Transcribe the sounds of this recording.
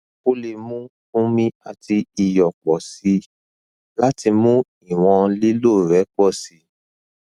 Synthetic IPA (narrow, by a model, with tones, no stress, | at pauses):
o˦le˧mũ˦kũ˦mĩ˦a˧ti˧i˧jɔ˨k͡pɔ˨si˧˦ | la˦ti˧mũ˦ | i˦˨w̃ɔ̃˧li˦lo˦˨ɾɛ˨˦k͡pɔ˦˨si˨˧˦